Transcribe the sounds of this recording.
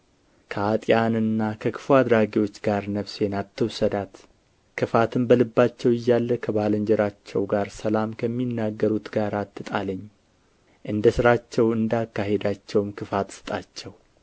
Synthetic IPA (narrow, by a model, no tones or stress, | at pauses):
kʰəat̪ʼjanɨnːakʰəkʰɨ̥fuad̪ɾaɡiwo̞t͡ʃːɡaɾnəβsenat̪ːəwsəd̪at̪ | kʰɨfat̪ʰɨmbəlɨbːat͡ʃːɛwɪjːalːəkʰəbaləɲd͡ʒɛɾat͡ʃːɛwɡaɾsəlamkʰəmːinːaɡːəɾut̪ɡaɾat̪ʰːɨt̪ʼaləɲː | ʔɨnd̪əsɨɾat͡ʃːɛwɨnd̪akːaɦed̪at͡ʃːɛwmkʰɨfat̪sɨ̥t̪ʼat͡ʃːɛw